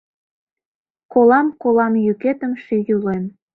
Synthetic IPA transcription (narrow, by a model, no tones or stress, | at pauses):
kolɑmkolɑmjyket̪əmʃyjylem